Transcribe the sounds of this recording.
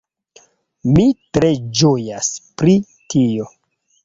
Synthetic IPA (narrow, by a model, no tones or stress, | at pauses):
mitɾe̞d͡ʒojaspɾi | tio̞